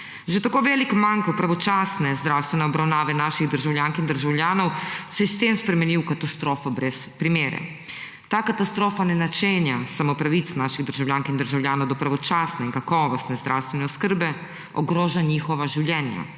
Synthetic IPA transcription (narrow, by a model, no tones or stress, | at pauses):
ʒet̪akoːʋɛlikmaŋkwpɾaʋɔt͡ʃaːsnɛzd̪ɾaːwst̪ʋɛnɛɔbɾawnaːʋɛnaːʃiɣd̪əɾʒawljaŋkind̪əɾʒawljaːnɔwsɛjɛst̪emspɾɛmɛniwkat̪ast̪ɾoːfɔbɾɛspɾimeːɾɛ̰ | t̪aːkat̪ast̪ɾoːfanɛnat͡ʃenjasamopɾaʋit̪snaʃiɣd̪əɾʒawlʲjaːŋkind̪əɾʒawlʲjaːnɔwd̪ɔpɾaʋɔt͡ʃaːsnɛiŋkakɔːʋɔst̪nɛzd̪ɾʔawst̪ʋɛnɛɔskəɾbɛ | ɔɡɾoːʒaɲixɔʋaʒiwljɛːnja̰